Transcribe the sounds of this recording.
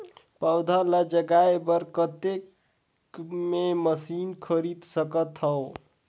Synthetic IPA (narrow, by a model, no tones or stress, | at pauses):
pəwd̪ʱaləd͡ʒəɡaebəɾkət̪ek | meməsinkʰəɾid̪səkət̪ɦəw